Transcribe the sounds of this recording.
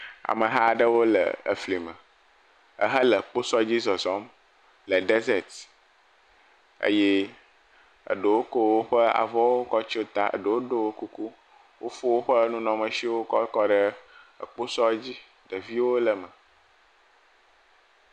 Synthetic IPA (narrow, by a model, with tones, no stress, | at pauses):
a̰˨mə̃˨ɦa˦˨ɖə˦wo˦lə̰˨ə̰˨fli˨mə̃˨ | ə̰˦ɦə˦lə˨k͡po˦sɔ˦d͡ʑi˦zɔ˨zɔ˨˦m | lə˨ɖe˦ze˨t̪ | ə̰˦jɛ˦ | ə̰˨ɖə˨wo˦ko˦wo˦ɸə˦a̰˨vɔ˦wo˦kɔ˦t͡ʃo˦t̪a˦ə̰˨ɖə˨wo˦ɖo˦wo˦ku˦ku˦ | wo˦fo˦wo˦ɸə˦nũ˦nɔ̃˨mə˨ʃi˦wo˦kɔ˦kɔ˦ɖə˦ | ə˨k͡po˦sɔ˦d͡ʑi˦ | ɖə˨vi˦wo˦lə˨mə˨